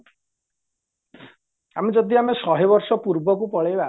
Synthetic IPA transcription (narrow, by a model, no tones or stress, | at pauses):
amid͡ʒɔd̪iamesɔɦebɔɾsɔpuɾbɔkupɔɭejba